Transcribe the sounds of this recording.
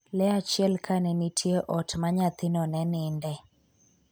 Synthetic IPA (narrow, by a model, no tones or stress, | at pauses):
lɛat͡ʃɪɛlkʰanɛnitʰjeʔɔtmaɲat̪ɪnɔnɛnɪndɛ